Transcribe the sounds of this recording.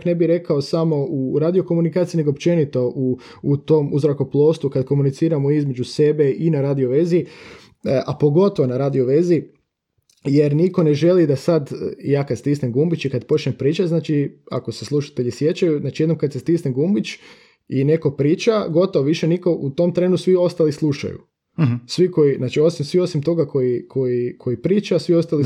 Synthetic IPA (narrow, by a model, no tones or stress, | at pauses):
kne̞biɾe̞kaosamo̞uɾaːd̪io̞ko̞munikaːt̪sine̞ɡopt͡ʃe̞nit̪o̞ʔuː | t̪omuzɾakoplˠo̞ːst̪ukad̪ko̞munit̪siːɾamoizme̞d͡ʒuse̞be̞ʔinaɾaːd̪ioʋe̞zi | ʔapo̞ɡo̞t̪o̞ʋonaɾaːd̪ioʋe̞zi | je̞ɾniko̞ne̞ʒe̞lid̪asad̪jaːkad̪st̪isnemɡumbit͡ʃikad̪po̞t͡ʃɲempɾiːt͡ʃaznaːt͡ʃia̰ko̞seslˠuʃḁt̪e̞ʎisje̞t͡ʃajuznaːt͡ʃijed̪nomkad̪sest̪isneɡumbit͡ʃ | ine̞ko̞pɾiːt͡ʃaɡo̞t̪oʋoʋiʃeniko̞ʔut̪o̞mt̪ɾe̞nusʋio̞st̪alislˠuʃa̰jṵ | sʋiko̞jiznaːt͡ʃio̞simsʋio̞simt̪o̞ɡako̞jikʰo̞jikʰo̞ipɾiːt͡ʃasʋio̞st̪ali